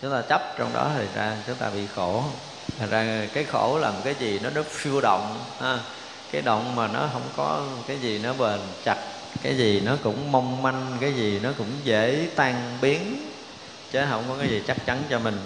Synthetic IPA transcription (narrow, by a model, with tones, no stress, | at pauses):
t͡ɕʊ˨˦ŋ͡mt̪aː˧t͡ɕə˦˥p̚t͡ɕɔ˧wŋ͡mɗɔ̰˨˦t̪ʰə˨˩nzaː˧t͡ɕʊ˨˦ŋ͡mt̪aː˧ɓḭ˧˨xo˧˩ | t̪ʰə˨˩zaː˧kaː˨˦jxo˧˩laː˨˩mo˨˩t̚kaː˨˦jzi˨˩nɔ˨˦nɔ˨˦fi˧əwɗə̰˧˨wŋ͡mhaː˨˦ | kaː˨˦jɗə̰˧˨wŋ͡mmaː˨˩nɔ˨˦ɦə˧wŋ͡mkɔ˨˦kaː˨˦jzi˨˩nɔ˨˦ɓəː˨˩nt͡ɕa˨˩t̚ | kaː˨˦jzi˨˩nɔ˨˦kʊ̰˧˥ŋ͡mmə˧wŋ͡mma˧ŋkaː˨˦jzi˨˩nɔ˨˦kʊ̰˧˥ŋ͡mze˧˩˥t̪aː˧ŋɓi˨˦ən | t͡ɕə˨˦ɦə˧wŋ͡mkɔ˨˦kaː˨˦jzi˨˩t͡ɕa˦˥k̚t͡ɕa˨˦nt͡ɕɔ˧mï˨˩ŋ̟